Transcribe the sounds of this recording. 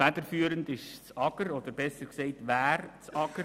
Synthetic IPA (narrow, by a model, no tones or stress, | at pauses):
ædəɾfyːəɾəndɪʃt͡sɑɡəɾɔd̪əɾbɛsəɾkseɪtʋæːɾt͡sɑɡ̥əɾ